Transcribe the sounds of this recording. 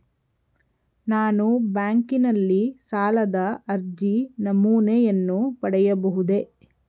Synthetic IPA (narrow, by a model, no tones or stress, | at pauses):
naːnubaːŋkinɐlːisaːlɐd̪ɐɐɾd͡ʒinɐmuːnejɐnːupɐɽɛjɐbɐɦud̪e̞